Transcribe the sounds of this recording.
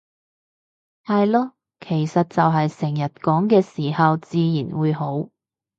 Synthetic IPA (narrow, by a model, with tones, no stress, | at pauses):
hɐ˨jlɔː˥ | kʰe˨˩jsɐ˨t̚t͡sɐ˨wɦɐ˨jsɛ˨˩ŋjɐ˨˩t̚kɔː˨˥ŋkɛː˧siː˨˩hɐ˨wt͡siː˧jiː˨˩nwuː˨˧jho˨˥w